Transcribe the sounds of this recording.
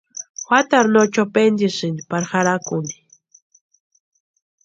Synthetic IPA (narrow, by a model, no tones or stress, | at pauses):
wat̪aɾnot͡ʃapend̪isɪnipaɾxaɾakʊni̥